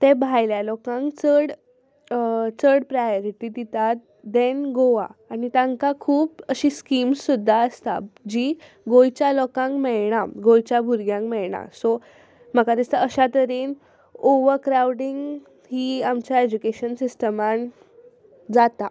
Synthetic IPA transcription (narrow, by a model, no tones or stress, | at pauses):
t̪ẽbʱajljalɔkãŋkt͡səɽ | t͡səɽpɾajoɾiʈid̪it̪at̪̚ | d̪enɡoʋa̰ːnit̪ãŋkakʰuːpəɕiskimsːud̪ʱːaəst̪a̰d͡ʑiː | ɡojt͡ɕjalɔkãŋkmɛɭɳaɡojt͡ɕjabʱuɾɡjãŋkmɛɭɳa̰so | m̤əkad̪ist̪əəɕat̪əɾiːn | oʋəɾkɾawɖiŋɡ | hiːamt͡ɕjaed͡ʑukeɕənsisʈəman | d͡zat̪a